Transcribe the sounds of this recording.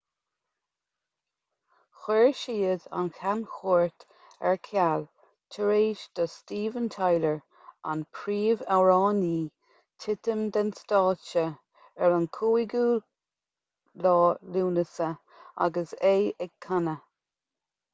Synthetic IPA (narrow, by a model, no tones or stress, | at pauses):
xɛɹʃiːəd̪a̰nkʰanxoːɹt̪ | ɛ̰ɹkʰal | tʰəɹeːʃd̪̥əstiːvənt̪ʰajləɹ | a̰npʰɾiːvaɹɑːniː | tʰɪt̪əmd̪ənst̪ɑːt͡ʃə | ɛlankʰuːiɡuː | lɑːluːnəsə | a̰ɡəseːɛɡ̚kʰːanə